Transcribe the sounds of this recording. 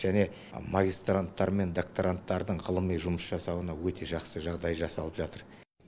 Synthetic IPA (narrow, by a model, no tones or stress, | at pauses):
ʒæne̞ | maɡʲist̪rant̪ːɑɾme̞nd̪ok̚t̪oɾant̪ːɑɾd̪əɴʁəlˠəmijʒʊməsʒɑsɑwənɑwɵt̪ʰe̞ʒɑqsəʒɑʁd̪ɑjʒɑsɑlˠəpʒɑt̪əɾ